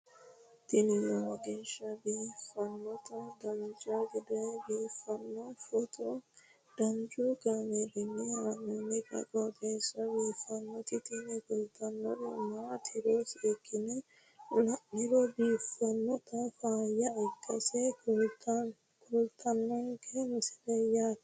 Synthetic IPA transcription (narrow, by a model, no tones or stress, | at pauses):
t̪ɪnɪwɐɐɡeːʃɐbiːfɐnːɔt̪ɐd̪ɐnd͡ʒɐɡɛd̪ɛbiːfɐnːɔfɔt̪ɔ | d̪̥ɐnd͡ʒʊɡɐmeɾɪnːɛɾɐnɛnɛkʼɐ̰kʼɔɡeːʃɐbiːfɐnːɔt̪ɪt̪ɪnɛkɔlt̪ɐnːɔʔɛmaːt̪ʰɪɾoːsɛkːɪnɛ | lɐʔɪɾɔbiːfːɐnːɔt̪ɐfaːjːɐɛkːɐsɛ | kʰʊlt̪ʰɐnːɔŋkɛmɪsɪlɛja